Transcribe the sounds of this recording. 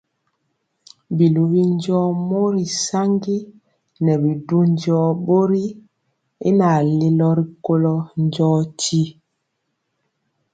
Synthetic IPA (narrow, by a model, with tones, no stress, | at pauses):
bi˨lu˨bi˦nd͡ʒɔː˦mɔ˦ɾi˨sa˦ŋɡi˦ | nɛ˨bi˨du˦ɲd͡ʒɔː˦bo˦ɾi˦ | ḭ˦na˨le˦lɔ˦ɾi˨ko˦lɔ˦nd͡ʒɔ˦ti˦